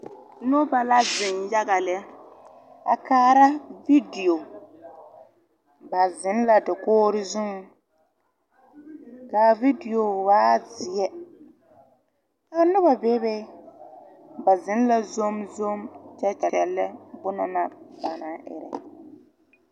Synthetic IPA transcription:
nʊ˦ba˨la˦zɪ˨nja˦ɡa˨lɛ˦ | a̰˨kaː˦ɾa˦vi˦di˨o˨ | ba˨zɪ˨˦n˦la˨dɪ˨koː˦ɾɪ˦zu˦ŋ˨˦ | ka˨vi˦di˨jo˨waː˦zɪ˨ɛ˦ | a˨nʊ˦ba˨be˦be˦ | ba˨zɪ˦n˦la˦zo˦mzo˦mt͡ʃɛ˦t͡ʃɛ˨ɛ˨lːɛ˦bʊ˦na˨na˨ba˨na˨ɪ̰˨ɾɛ̰˨

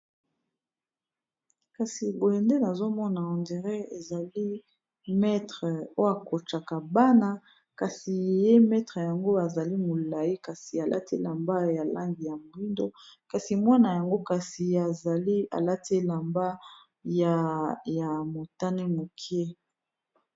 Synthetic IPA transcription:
ka˨si˨bo˨jɛ˨nde˦na˨zo˦mɔ˦na˨ɔ˨ndi˨ʁɛ˦e˨za˨li˦ | mɛ˦tχə˨o˦a˨ko˨t͡ʃa˨ka˨ba˦na˦ | ka˨si˨je˦mɛ˦tχe˨ja˨ŋɡo˦a˨za˨li˦mo˨la˨ji˦ka˨si˨a˨lʔa̰˦ti˦la˨mba˦ja˨lʔa̰˦ŋɡi˨ja˨mo˨i˦ndo˦ka˨si˨mwa˦na˨ja˨ŋɡo˦ka˨si˨a˨za˨li˦a̰˨la˦te˦la˨mba˦ | ja˨ja˨mo˨ta˦ne˦mo˨kʰe˦

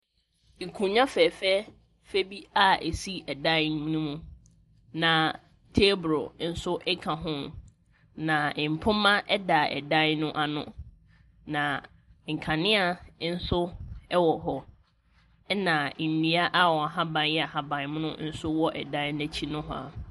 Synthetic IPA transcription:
i˨kʰũ˨ɲã˦fɛː˨fɛ˦ | fe˦bi˦a˦æ˨si˦ɛ˨dã˦mĩ˦nũ˦mũ˦ | nã˨ | tʰe˦bɾo̰˨n̩˦sʊ˦ʔɛ˦kʰã˨ɦʊ̃˦ | nã˨ɪ̃˨m̩˨pʰʊ̃˦mã˦ʔɛ˦da˨ɛ̰˨dã˦nʊ̃˦ʔa˨nʊ̰̃˦ | nã˨ | ŋ̩˨kʰã˨nɪ̃˦a˨n̩˦sʊ˦ɛ˦wɔ˨ɦɔ˦ | ɛ˦nã˨nĩ˨a˦ʔa˦wɔ˨a˨ɦa˦bã˨njɛ˦a˨ɦa˨bã˨n˦m̃˦nʊ̃˦n̩˦sʊ˦wɔ˦ʔɛ̰˨dã˦næ˦t͡ɕʰi˦nʊ̃˦ɦɔ̰˦a˨

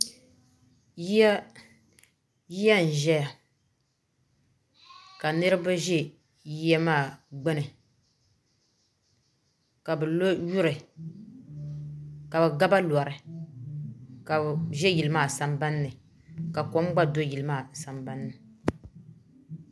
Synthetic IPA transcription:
j | ji˦ja˦n̩˨ʒɛ˦ja˨ | ka˨nɨ˦ɾɨ˦ba˦ʒe˦ | ji˦ja˦maː˦˨ɡ͡bɛ˦nɨ˨ | ka˨bɨ˨lo˦ju˦ɾɨ˨ | ka˨bɛ˨ɡa˦ba˦lɔ˨ɾɨ˨ | ka˨ʒɛ˦ji˨lɨ˨maː˦˨sa˨mba˦nːɨ˨ | ka˨kɔ˨˦m˦ɡ͡ba˦do˦ji˨lɨ˨maː˦˨sa˨mba˦nːɨ˨

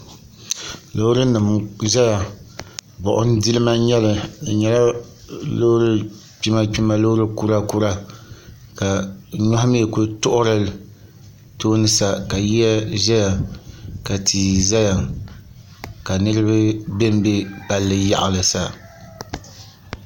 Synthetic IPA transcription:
lo˦ɾɨ˦nɨ˨mʒɛ˦ja˨ | bɔ˨ʔʊ˦n˦dɨ˦lɨ˦ma˦ɲɛ˦lɨ˨ɲɛ˦la˦ | lo˦ɾɨ˦ | pi˦ma˦pi˦ma˦lo˦ɾɨ˦ku˦ɾa˦ku˦ɾa˦ | ka˨ɲɔ˦hme˦˨ku˦tʊ˦ʔʊ˦ɾɨ˦l | toː˦nɨ˦sa˦ka˨ji˦ɛ˦ʒɛ˦ja˨ka˨tʰi˨za˦ja˨ | ka˨nɨ˦ɾɨ˦bɨ˦be˦m˦be˦pa˦lːɨ˦ja̰˦ʔa˨lɨ˨sa˨

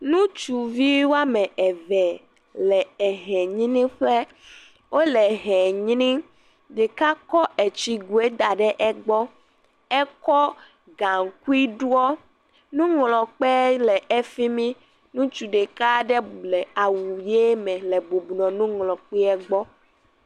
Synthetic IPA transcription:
nũ˦t͡ʃu˨vi˦wo˦a˦mɛ̃˨ʔɛ˨vɛ˨ | lɛ˨ɛ˨ɦɛ̃˨ɲĩ˦nĩ˦ɸɛ˦ | wʔo˦lɛ˨ɦɛ˨ɲi˦nĩ˦ | ɖe˨ka˦kɔ˦ʔɛ˨t͡ɕi˨ɡu˨e˦d̪a˨ɖɛ˦ʔɛ˦ɡ͡bɔ˦ | ɛ˦kɔ˦ | ɡa˨ŋ˨ku˦i˦ɖu˦ɔ˦ | nũ˦ŋlɔ˨k͡pɛ˦lɛ˨ʔɛ˦fi˦mĩ˦ | nũ˦t͡ʃu˨ɖe˨ka˦ɖɛ˦lɛ˨a˨wu˨je˦mɛ̃˨lɛ˨bo˨bu˨nɔ̃˨nũ˦ŋlɔ˨k͡pi˦ɛ˦ɡ͡bɔ˦

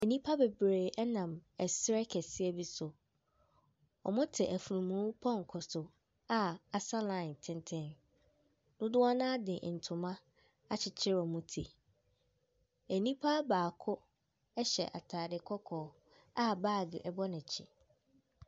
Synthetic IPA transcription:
æ˨nĩ˦pʰa˦be˨bɾeː˨ʔɛ˦nã˨mɛ˨sɾɛ˦kʰɛ˨sɪ˦ɛ˦bi˦sʊ˨ | ɔ̰˨mʊ̃˦tʰɪ˨ʔæ˨fu˨nũ˨mũ˨˦pʰɔ̃˦˨ŋ˨kʰʊ˨sʊ˨ | a˦a˨sa˦lã˦˨ntʰɪ̃˦ntʰɪ̃˦n | nʊ̃˦dʊ˦a˦nãː˦dɪ˨ʔn̩˨tʰʊ̃˨mã˦ | a˦t͡ɕʰɪ˨t͡ɕʰɪ˦ɾɔ˨mũ˦tʰi˨ | æ˨nĩ˦pʰa˦baː˨kʰʊ˦ | ɛ˦ɕɛ̰˨ʔa̰˨tʰaː˨dɪ˨kʰɔ˦kʰɔː˨ | a˦baː˦˨ɡɪ̰˨ʔɛ˨bɔ˦nɪ̃˨t͡ɕʰɪ̰˨

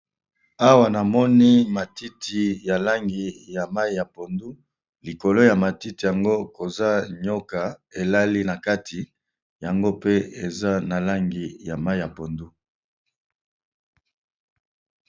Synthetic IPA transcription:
a˦wa˨na˨mɔ˦ni˦ma˨ti˦tʰi˨ja˨la˦ŋɡi˨ja˨ma˦i˨ja˨po˨ndu˦ | li˨ko˨lo˦ja˨ma˨ti˦ti˨ja˨ŋɡo˦ko˨za˦ɲo˦ka˨e˨la˦li˦na˨ka˦tʰi˨ | ja˨ŋɡo˦pe˦e˨za˦na˨la˦ŋɡi˨ja˨ma˦i˨ja˨po˨ndu˦

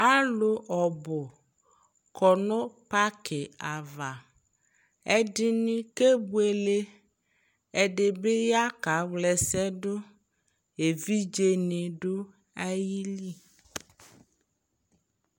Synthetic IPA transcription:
a˦lo˨ʔɔ˨bʊ˨ | kʰɔ˨nɔ̃˦pa˦kʰe˨a˨va˨ | ɛ˦di˦nĩ˦ke˦bu˦e˨le˦ | ɛ˨ɖe˨be˦ja˦ka˨˦wlɛ˨sɛ˦ɖo˦ | e˨vi˦d͡ʒe˦ne˨ɖo˦ | a˦ji˦li˦

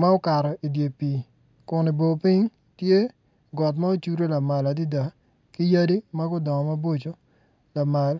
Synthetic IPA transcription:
ma˦o˦ka˨ɾɔ˨i˨dje˨pi˨ | kʊ˨ni˨bo˨pi˦ɲ | tje˦ | ɡɔ˨t̬ma˦o˦t͡ʃu˦ɾo˦la˨ma˨la˨di˦da˨ | ki˦ja˦di˦ma˦ɡʊ˦dɔ˨ŋɔ˨ma˦bo˦t͡ʃo˦ | la˨ma˨l

